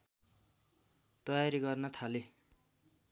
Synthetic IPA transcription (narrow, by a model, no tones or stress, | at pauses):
t̪ʌjaɾiɡʌrnʌt̪ʰale